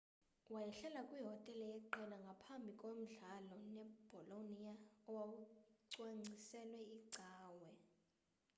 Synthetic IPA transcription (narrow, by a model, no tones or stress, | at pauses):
wajɛɬɛlakʼwiɦɔtʼɛlɛjɛǃɛlaŋɡʱapʰambʱikʼwom̩ɮalɔnɛb̥ʱɔlonijaɔwawuǀwaŋ͡ǀisɛlwɛiǀaːwɛ